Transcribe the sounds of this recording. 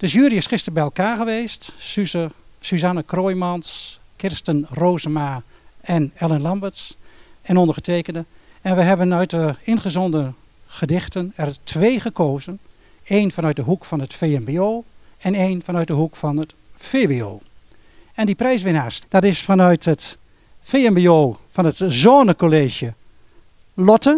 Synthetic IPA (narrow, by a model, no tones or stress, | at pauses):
d̥əʒyːɾiɪsχɪstərbɛjɛlˠkaːɣəʋeːstysyzanəkroːjmɑnskɪrstənroːzəmaɛnɛlˠənlɑmbətsɛnɔndəχətʰeːkəndəɛnʋəɦɛbənœɥt̚dəɪnχəzɔndə | χədɪxtənɛrtʰʋeːχəkʰoːzən | eːnfɑnœɥt̚dəɦukfɑnətfeɛmbeoːɛneːnfɑnœɥt̚dəɦukfɑnətfeːbeoː | ɛndiprɛjsʋɪnaːsd̥ɑtɪsfɑnœɥtət | feːɛmbeoːfɑnətzoːnəkoleːʒjə | lɔtə